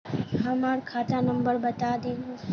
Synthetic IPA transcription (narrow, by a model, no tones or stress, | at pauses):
ɦəmaɾkʰaːt̪ʰanəmbəɾbət̪ad̪ẽːnũ